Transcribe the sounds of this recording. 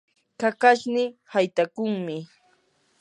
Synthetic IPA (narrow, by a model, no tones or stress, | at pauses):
kakaʃnɪhajt̪akʊŋmɪ